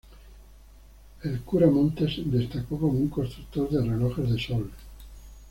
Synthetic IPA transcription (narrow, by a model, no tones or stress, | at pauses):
elkuɾamõnt̪ezd̪est̪akokomuŋkost̪ɾukt̪oɾðereloxezðesol